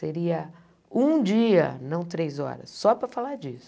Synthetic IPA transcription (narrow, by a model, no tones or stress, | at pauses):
seɾiɐ | ũd͡ʒiɐ̰nɐ̃w̃t̪ɾejzɔ̰ɾɐ̰sːɔpɾɐfalaɾd͡ʒisʊ̥